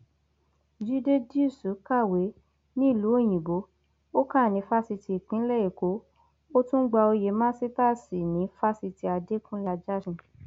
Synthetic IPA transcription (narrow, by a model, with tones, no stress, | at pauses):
d͡ʒi˦de˦di˦˨su˨˦ka˦˨we˨˦ | nĩ˦˨lu˨˦e˦˨j̃ĩ˨bo˨˦ | o˦kã˦˨nĩ˨˦fa˦si˧ti˧˨k͡pĩ˨˦lɛ˦e˨ko˨˦ | o˦tũ˦ɡ͡ba˧o˧je˨˦mãː˦si˦ta˦˨si˨nĩ˨˦fa˦si˧ti˧a˧de˦kũ˦la˧d͡ʒa˦sũ˧